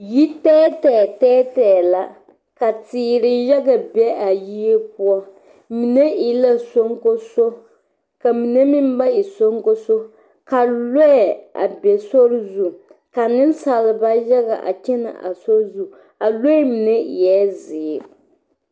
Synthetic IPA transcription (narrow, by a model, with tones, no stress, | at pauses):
ji˦tɛː˦tɛ˨tɛː˦tɛː˨la˨ | ka˨tiː˨ɾɪ˨jɛ˦ɡa˨bɛ˦ʔa˨ji˦e˦p̚ʊ˦ɔ˦ | mi˨nɛ˦i˨la˦so˦ŋko˦so˦ | ka˨mi˨nɛ˦mi˦m˦ba˦i˨so˦ŋko˦so˦ | ka˨lo˦˨a̰˨bɛ˨so˦ɾzu˦˨ka˨nɪ˦n˦sa˨lɪ˨ba˦jɛ˦ɡa˨ʔa̰˨t͡ʃɛ˦na̰˨ʔa̰˨so˦ɾzu˨ | a˨lo˦mi˨nɛ˦˨jɛː˨˦zɪː˨˦˨